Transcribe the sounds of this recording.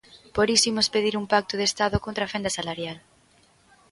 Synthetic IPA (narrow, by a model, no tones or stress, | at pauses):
poɾisimʊspeðiɾumpak̚t̪oðest̪aðokont̪ɾafend̪ɐsalaɾjal